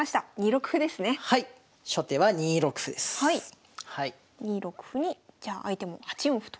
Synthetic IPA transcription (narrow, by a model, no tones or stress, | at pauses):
aɕi̥t̪aɲ̟iɾo̞kɯ̟̥ɸɯ̟d̪e̞sɨne̞hai | ɕo̞t̪e̞βaɲiɾo̞kɯ̟̥ɸɯ̟d̪esɨ̥hai | hai | ɲ̟ʲiɾo̞kɯ̟̥ɸɯ̟ɲ̟id͡ʑaːʔait̪e̞mo̞hat͡ɕiõɸɯ̥t̪o